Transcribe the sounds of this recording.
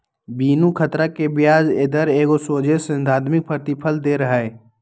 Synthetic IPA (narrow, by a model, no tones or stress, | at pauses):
biːnukʰət̪ɾakebjaːd͡ʒeːd̪əɾeːɡosoːd͡ʒesə̃nd̪ʱaːd̪mɪk̚pʰəɾt̪ɪpʰəld̪eɾəɦɛ